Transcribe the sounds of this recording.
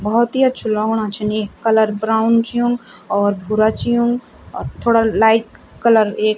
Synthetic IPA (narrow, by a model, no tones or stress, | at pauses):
bəɦɔt̪iətːt͡ʃʰulɔɡɽ̃at͡ʃʰənekkːələɾbɾaʊnt͡ʃijũŋɡɔːɾbʱuɾat͡ʃijũŋɡ | ɔ̰ːɾt̪ʰoːɽalaɪʈ | kələɾek